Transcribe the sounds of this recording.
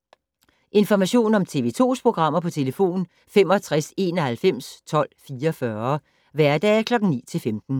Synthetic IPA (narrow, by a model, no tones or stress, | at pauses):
ʔe̝nfɒmæɕo̝̰ːnɒ̽mt͡sʰe̝ːʋe̝ːt͡sʰo̝̰ːspʰʁo̝ɡ̥ʁɑ̈m̰ɐpʰɒ̽t͡sʰe̝ləfo̝̰ːn | fem̰ɒ̽t͡sʰʁase̝ːnɒhælfem̰st͡sʰɒ̽l̰fiːɐfɶɐ | ʋæɐd̥ɛ̰ːkʰlɒ̽ɡ̥ŋ̩nḭːt͡sʰe̝lfemd̥n̩